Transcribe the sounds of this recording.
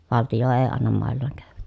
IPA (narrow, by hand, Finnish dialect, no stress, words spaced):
ʋɑltijo eː ɑnːɑm mɑˑelːɑːŋ kæːʋæk